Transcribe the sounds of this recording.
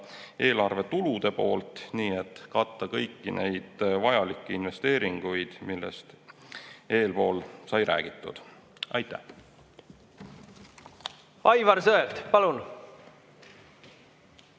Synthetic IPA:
e̞ːlɑrve̞t̪ulud̪̥e̞po̞̰ːlt̪ˑniːet̪ːkɑt̪ːɑkɤjkːine̞jd̪̥vɑjɑlikˑːiinve̞st̪e̞ːɾiŋɡ̥ujd̪̥milːḛst̪ | eːlpo̞ːlsɑjɾæ̰ːɡ̥it̪ːˑṵd̪̥ | ɑjt̪ːˑæ̰h | ɑjvɑɾsøeld̪̥pɑlun

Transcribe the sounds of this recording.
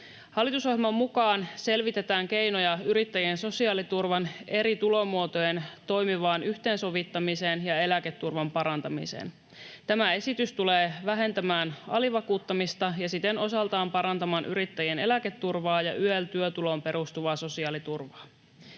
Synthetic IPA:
hɑlːˑit̪usohjelmɑmːukɑːnse̞lʋit̪e̞t̪æːŋk̟e̞jno̞jɑyɾit̪ːæjienso̞siɑːlit̪urʋɑne̞ɾit̪ulo̞muot̪ojent̪o̞jmiʋɑːnyçt̪e̞ːnso̞ʋit̪ːɑmiseːnjɑe̞læke̞t̪ːurʋɑmpɑɾɑnt̪ɑmḭsḛːn | t̪æmæe̞sit̪yst̪uleːʋæɦe̞nt̪æmæːnɑ̰liʋɑkuːt̪ːɑmist̪ɑjɑsit̪eno̞sɑlt̪ɑːmpɑɾɑnt̪ɑmɑːnʔyɾit̪ːæjiene̞̰læket̪ːurʋɑːjɑ̰ʔyelt̪yøt̪ulo̞mpe̞ɾust̪uʋɑːso̞siɑːlit̪urʋɑː

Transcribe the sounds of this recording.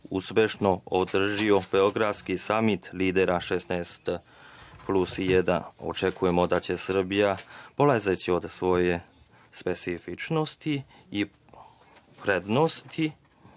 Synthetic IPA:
ṵspʲjeʃno̞od̪r̩ʒio̞ɡ̥eoɡɾafskisamit̪liːd̪eɾaʃesnɛst̪ | plusijed̪a̰o̰t͡ʃekʰuje̞mo̞d̪at͡ɕe̞sr̩bijapolazet͡ɕio̞d̪sʋo̞je̞ | spe̞t̪sifit͡ʃno̞st̪i | i | pɾed̪nost̪ʰi

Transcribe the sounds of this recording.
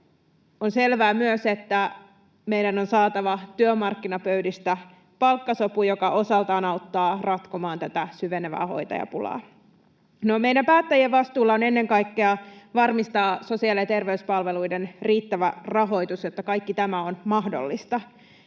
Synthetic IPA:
onse̞lʋæːmyøset̪ːæ | me̞jdæno̞nsɑːt̪ɑʋɑt̪yømɑrkːinɑpøɥdist̪æ | pɑlkːɑso̞pujokɑʔo̞sɑlt̪ɑːnɑut̪ːɑːrɑt̪komɑːnt̪æt̪æsyʋeneʋæ̰ːho̞̰jt̪ɑ̰jɑ̰pulɑ̰ː | nome̞jɾæmpæːt̪ːæjieʋʋɑst̪uːlːɑo̞ne̞nːe̞ŋkɑjkːeɑʋɑrmist̪ɑːso̞siɑlijɑt̪e̞rʋe̞yspɑlʋe̞lujdenriːt̪ːæʋærɑɦo̞jt̪usjot̪ːɑkɑjkːit̪æmæonmɑɦdo̞̰lːist̪ɑ

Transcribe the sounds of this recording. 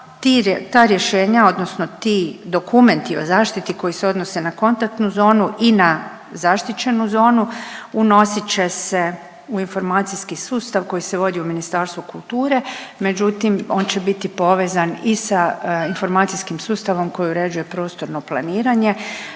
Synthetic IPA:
t̪it̪aːɾje̞ʃe̞ːɲao̞d̪no̞sno̞t̪id̪o̞kume̞nt̪io̞̰zaːʃt̪it̪iko̞jiseo̞d̪no̞se̞nako̞nt̪ak̚t̪nuzo̞ːnuʔina | zaʃt̪it͡ɕe̞nuzo̞ːnuuno̞sit͡ɕe̞se̞ | uinfo̞ɾmaːt̪sijskisuːst̪aʋko̞jise̞ʋo̞d̪iuminist̪aːɾst̪ʋukulˠt̪uːɾe̞me̞d͡ʑut̪imo̞ːnt͡ɕe̞bit̪ipo̞ʋe̞ːzanisainfo̞ɾmaːt̪sijskimsuːst̪aʋo̞mko̞jiuɾe̞d͡ʒuje̞pɾo̞ːst̪o̞ɾno̞plˠaniːɾaɲe̞

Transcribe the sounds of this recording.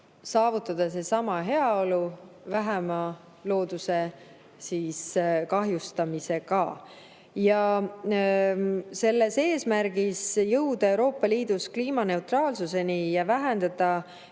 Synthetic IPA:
sɑːvut̪ːˑɑd̪̥ɑse̞sɑmɑɦe̞ɑo̞luvæɦæmɑ | lo̞ːd̪̥use̞ | siːskɑɦjust̪ɑmise̞kɑ̰ | jɑ | se̞lːe̞se̞ːsmæɾɡ̥isjɤwd̪̥ɑe̞wɾo̞ːpːˑɑliːd̪uskliːmɑne̞uwt̪rɑːlsuse̞nijɑvæɦend̪̥ɑd̪̥ɑ

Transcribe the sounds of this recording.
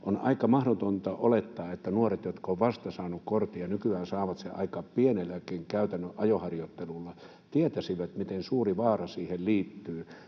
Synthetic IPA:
ʔonɑ̰ikɑmɑhɾot̪ont̪ɑʔolet̪ːɑːet̪ːænuoret̪jot̪kɑoʋʋɑst̪ɑsɑːnukkort̪iɑnykyæːnsɑːʋɑt̪sḛʔɑ̰ikɑːppienelːækiŋkæyt̪ænːøʔʔɑjohɑrjot̪ːelulːɑ | t̪iet̪æsiʋæt̪mit̪ensuːriʋɑːrɑsiːhelliːt̪ːyː

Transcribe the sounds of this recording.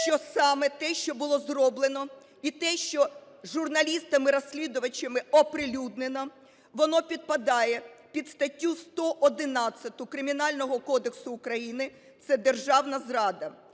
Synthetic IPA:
ʃt͡ʃɔsɑmɛt̪ɛʃt͡ʃɔbʊlˠɔzrɔblˠenɔ | it̪ɛʃt͡ʃɔ | ʒurnɐlʲist̪ɐmɪɾɔsʲlʲid̪ʊʋɐt͡ʃɐmɪɔpɾɪlʲud̪̚nenɔ | ʋɔnɔpʲid̪̚pɐd̪ɑjɛpʲid̪st̪ɐtʲːust̪ɔʔɔd̪ɪnɑt͡sʲːɐt̪ʊkɾɪmʲinɑlʲnɔɦɔkɔd̪eksʊːkɾɐjinɪ | t̪sɛd̪erʒɑwnɐzrɑd̪ɐ

